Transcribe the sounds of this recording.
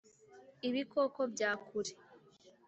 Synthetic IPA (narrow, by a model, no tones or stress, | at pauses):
iβikoːkobɟaːkʰuɾe̥